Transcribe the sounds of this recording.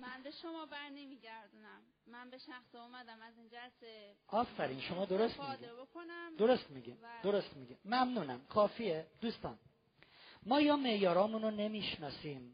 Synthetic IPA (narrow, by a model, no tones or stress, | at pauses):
mænbeʃomɒːbæɾnemiɟæɾd̪unæmːænbeʃæxsiumæd̪æmæziːnd͡ʒæseɒːfæɾiːnʃomɒːd̪oɾost̪miɡibokʰonæmd̪o̞ɾost̪miɡḭmd̪oɾost̪miɡimmæmnuːnæmkʰɒːfiːed̪̥uːst̪ɒ̰ːn | mɒːjɒːme̞jɒːɾɒːmunone̞miːʃnɒːsiːm